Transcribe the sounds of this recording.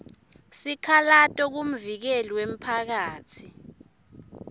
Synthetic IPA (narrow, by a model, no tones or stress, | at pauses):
sikʰalatʼɔk̬um̩vik̬ɛlwem̩pʰak̬aːtʰi